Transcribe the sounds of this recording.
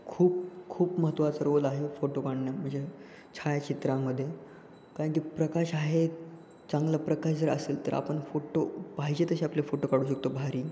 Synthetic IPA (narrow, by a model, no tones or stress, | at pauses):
kʰuːp̚kʰuːpməɦət̪ʋasəɾʋəlaɦefoʈokaɳnjam̤əɳd͡ze | t͡ɕʰajat͡ɕit̪ɾãməd̪ʱːje | kaɾ̃k̬iːpɾəkaɕaɦe | t͡sãŋɡlapɾəkaɕd͡zəɾə̰seːlt̪ə̰ɾa̰pəɳfoʈopaɦid͡ʑet̪əɕeaplefoʈokaɽ̤uːɕ̬ək̚t̪obʱaɾiː